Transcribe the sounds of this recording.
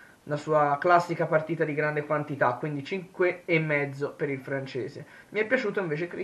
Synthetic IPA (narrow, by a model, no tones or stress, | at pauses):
nasuːaklasːikapart̪iːt̪ad̪iɡɾand̪ekwant̪it̪akːwind̪it͡ʃiŋkweːmːɛd̪zːopeɾilfɾant͡ʃḛːzemiɛpːjat͡ʃuːt̪oiɱveːt͡ʃekɾe